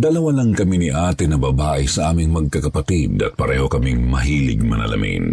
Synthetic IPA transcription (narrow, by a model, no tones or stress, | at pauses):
d̪ɐlɐwalɐŋkɐminiʔaːt̪ɪnːɐbɐbaːʔɪsɐʔaːmɪŋmɐɡ̚kɐkɐpɐt̪id̪ɐ̰t̪̚pɐɾɛːho̞kɐmiŋmɐɦiːlɪ̰ɡ̚mɐnɐ̰lɐ̰mḭn